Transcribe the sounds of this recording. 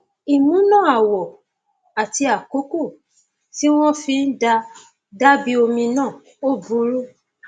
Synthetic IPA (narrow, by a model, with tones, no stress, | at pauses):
i˨mũ˨˦nã˦˨a˨wɔ˨ | a˨ti˧a˨ko˨˦ko˦˨ | ti˦w̃ɔ̃˦fĩ˧˦n̩˦da˧ | da˦bi˦o˧mĩ˧nãː˦˨ | o˦bu˨˦ɾo˦